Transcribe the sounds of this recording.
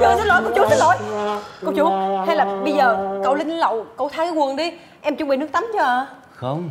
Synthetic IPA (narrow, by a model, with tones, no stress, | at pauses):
ə˨˧zə˦˥t̚lo˨˦jkə˧˩wt͡ɕu˨˦zə˦˥t̚lo˨˦jkə˧˩wt͡ɕu˨˦ha˧jlaː˨˩ɓə˧jzəː˨˩kə̰˧˩˨wlï˧ŋ˧lə˨wkə˧˩wt̪ʰaː˧˦jkaː˨˧˦ŋwu˨˩ənɗi˧˩ | ʔɛ˧mt͡ɕʊ˧˦ŋ͡mɓḭ˨nɨ˦˥ək̚t̪a˨˦mt͡ɕə˧˩˧ | xə˧˦ŋ͡m